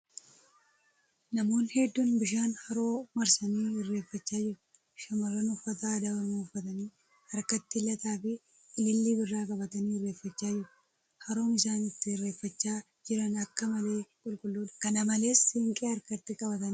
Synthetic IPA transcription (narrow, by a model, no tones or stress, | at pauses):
nɐmo̞ːnhɛd̪ːunbɪʃaːnhɐɾo̞ːmɐɾsɐniːɪrːe̞ːfːɐt͡ʃːaːd͡ʒɪɾʊ | ʃɐmɐrːɐnʊfːɐt̪aːd̪ɐbɐmuʊfːɐt̪ɐniː | ɐɾkɐt̪ːɪlɐt̪aːfɪ | ɪlɪlːiːbɪrːaːkʼɐbɐt̪ɐniːɪrːeːfːɐt͡ʃːaːd͡ʒɪɾʊ̥ | hɐɾo̞ːmɪsaːnɪt̪ːɪɪrːe̞ːfːɐt͡ʃːaː | d͡ʒɪɾɐnɐkːɐmɐle̞ːkʼʊlkʼʊlːuːᶑ̪kɐnɐmɐle̞ːshɪŋkʼeːɐɾkɐt̪ːɪkʼɐbɐt̪ɐn